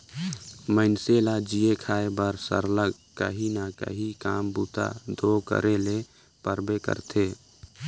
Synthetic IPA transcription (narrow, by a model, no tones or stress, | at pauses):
məɪnselad͡ʒiekʰaːebəɾsə̰ɾləɡ | kəɦinəkə̰ɦikaːmbut̪a̰d̪ʱokə̰ɾele | pəɾbekə̰ɾt̪ʰe